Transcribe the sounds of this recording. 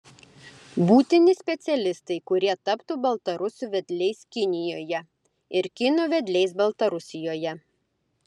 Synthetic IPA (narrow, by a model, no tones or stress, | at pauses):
buːt̪ʲɪnʲɪsʲpʲɛt̪sʲɛlʲɪst̪ɐɪkʊɾʲiɛt̪ɐpt̪uːbɐlˠt̪ɐɾʊsʊʋʲɛd̪ʲlʲɛɪskʲɪnʲɪjoːjɛ | ɪɾkʲɪnuʋʲɛd̪ʲlʲɛɪsbɐlˠt̪ɐɾʊsʲɪjoːjɛ